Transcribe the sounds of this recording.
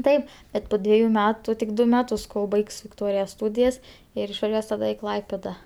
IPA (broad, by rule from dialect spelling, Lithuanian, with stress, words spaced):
ˈtɐɪp ˈbʲɛt poː ˈdʲʋʲiɛjʊ ˈmʲæːtʊ tʲɪk ˈdʊ ˈmʲæːtʊs koːlˠ ˈbɐɪks ʋʲɪkˈtoːrʲɪjɛ ˈstuːdʲɪjɛs ˈɪr ɪʃʋɐˈʒʲuɔs tɐˈdɐ ɪ ˈklˠɐɪpʲeːdɐ